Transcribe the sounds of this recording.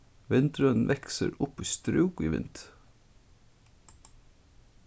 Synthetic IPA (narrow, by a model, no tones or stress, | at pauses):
ʋɪnt̪ɾən̩ʋʔɛksə̰ɾʊpiːst̪ɾʉːɡkiːʋɪ̰nt̪